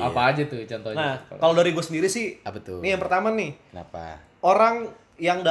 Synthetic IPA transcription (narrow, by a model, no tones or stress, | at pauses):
apaːd͡ʒat̪ut͡ʃɔnt̪ɔnakalodaɾiɡɔsəndiɾisɪhbət̪ʊnijaŋpərt̪amanɪhənapa̰ | oɾaŋ | jaŋda